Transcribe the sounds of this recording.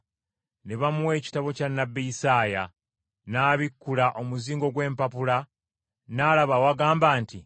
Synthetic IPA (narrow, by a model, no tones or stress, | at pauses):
neβamuwe̞ːci̥taβo̞canːabːiisaːja | naːβikːulaʔo̞muziːŋɡo̞ɡwe̞ːmpapula | naːlaβawaɡaːmbaːnti